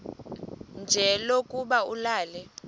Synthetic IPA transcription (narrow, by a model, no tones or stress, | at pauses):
nd͡ʒʱɛlokʼuɓaulaːlɛ